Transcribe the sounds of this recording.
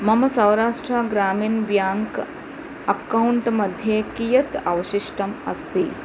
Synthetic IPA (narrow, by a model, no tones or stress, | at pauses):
mɐmɐsɐ̃wɾaːʂʈɾaɡɾaːmiːnʋjaːŋk | ɐkɐuɳʈmɐd̪ʱjekijɐt̪ɐ̰ʋɐʃiʃʈɐmɐ̰st̪i